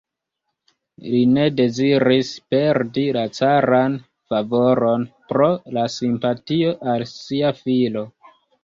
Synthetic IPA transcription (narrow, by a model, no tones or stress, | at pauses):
line̞de̞ziɾispe̞ɾdilat͡saɾan | favo̞ɾo̞npɾo̞lasimpatio̞ʔalsiafilo̞